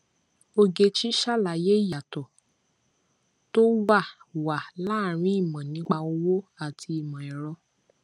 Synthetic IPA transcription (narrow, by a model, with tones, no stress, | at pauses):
o˧ɡe˧t͡ʃi˦ʃa˦˨la˨je˦i˦˨ja˨tɔ˨ | to˦ba˦˨wa˨la˦˨ɾ̃ĩ˨˦i˦˨mã˨nĩ˨˦k͡pa˧o˧wo˦a˦˨tʰi˧i˨mã˨ɛ˨ɾɔ˧